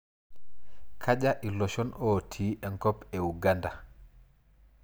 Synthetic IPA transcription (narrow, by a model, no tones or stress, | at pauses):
kʰad͡ʒaʔilɔʃɔnʔoːtʰiʔɛŋkɔpɛuɡanda